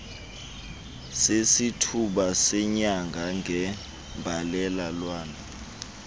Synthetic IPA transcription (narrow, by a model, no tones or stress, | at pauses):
sesitʰuɓasɛɲaŋɡʱaŋʱɛ | mbʱalɛlalwaːna